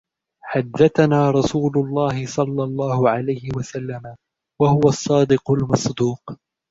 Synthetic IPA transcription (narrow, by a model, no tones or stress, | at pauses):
ħad̪ːaθanaːɾˤɑsuːlʊlˤːɑːhɪsˤɑlːɑlˤːɑːhʊʕalajhɪwasalːama | wahʊwasˤːɑːd̪ɪqʊlmɑsˤd̪uːq